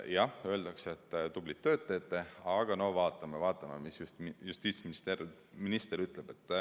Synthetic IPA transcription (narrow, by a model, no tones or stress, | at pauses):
jɑhø̞ːld̪̥ɑkset̪ːt̪ub̥lit̪ːø̞ːt̪ːˑet̪ːe̞ɑɡ̥ɑno̞hvɑːt̪ˑːɑmevɑːt̪ːˑɑmemisjust̪just̪iːt̪sminist̪eɾ | minist̪eɾyt̪ˑleb̥e̞t̪ːˑ